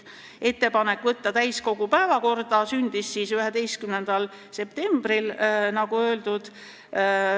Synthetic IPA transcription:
e̞t̪ːe̞pɑne̞kːvɤt̪ːɑt̪æjsko̞ɡ̥upæevɑko̞rd̪̥ɑsynʲd̪̥isːiːsyɦe̞d̪e̞jst̪kymne̞nd̪̥ɑl | se̞p̚t̪e̞mb̥ɾilnɑɡ̥uø̞ːld̪̥ud̪̥

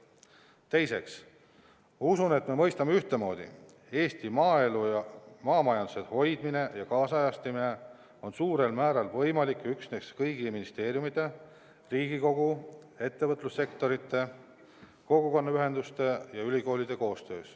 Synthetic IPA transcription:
t̪e̞jse̞̰ks | musune̞t̪ːˑme̞mɤjst̪ɑmeyht̪emo̞ːd̪̥ḭ | e̞ːst̪imɑːe̞lujɑmɑːmɑjɑnd̪̥u̥se̞d̪̥ho̞jd̪̥mine̞jɑkɑːsɑjɑst̪imine̞ | o̞nsuːɾe̞lmæːɾɑlvɤjmɑlikːyksne̞skɤjɡiminist̪e̞ːɾjumid̪e̞ | riːɡiko̞ɡ̥u | e̞t̪ːe̞vɤt̪ːˑlusːe̞kt̪o̞ɾit̪ːˑe̞ | ko̞ɡ̥uko̞nːɑyɦe̞nd̪ust̪e̞jɑylʲiko̞ːlʲid̪̥e̞ko̞ːst̪ø̞̰ːs

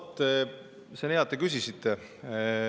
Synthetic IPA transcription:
t̪ːˑe | seneɑt̪ːˑekysisit̪ːˑe

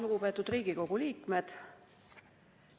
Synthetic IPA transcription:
luɡ̥upe̞ːt̪ːˑud̪riːɡ̥iko̞ɡ̥uliːkme̞d̪̥

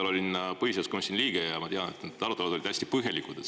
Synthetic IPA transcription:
lo̞lʲinpɤhiseskomsʲinliːɡ̥ejɑmɑt̪eɑnet̪ned̪ɑlut̪ːˑelɑd̪o̞lid̪̥æsʲt̪i̥pɤɦjelikud̪̥e

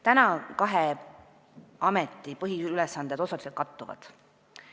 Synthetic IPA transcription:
t̪ænɑkɑɦe | ɑmet̪ːˑipɤɦiylesːɑnd̪ed̪osɑliset̪kɑt̪ˑːuvɑ̰d̪̥

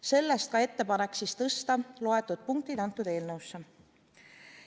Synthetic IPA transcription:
se̞lːest̪̚kɑe̞t̪ːe̞pɑne̞kːsist̪ɤst̪ɑlo̞e̞t̪ːˑud̪̥̚puŋk̚t̪id̪ɑnt̪ːˑud̪̥e̞ːlnɤwsːe

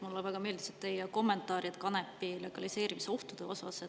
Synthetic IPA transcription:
mulːevæɡ̥ɑme̞ːld̪iset̪ːejɑko̞mːe̞nt̪ːˑɑːɾjit̪kɑne̞pːile̞ɡ̥ɑlise̞ːɾimiseo̞ht̪ud̪̥e̞o̞sɑse

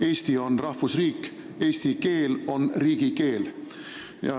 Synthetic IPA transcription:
e̞ːst̪io̞nrɑhfusriːkː | e̞ːst̪ike̞ːlo̞nriːɡ̥ike̞ːl | jɑ̰

